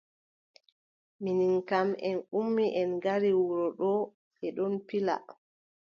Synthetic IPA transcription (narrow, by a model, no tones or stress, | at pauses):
miniŋkamɛnumːiʔɛnɡaɾiwuɾɔɗɔ | ɛɗɔnpila̰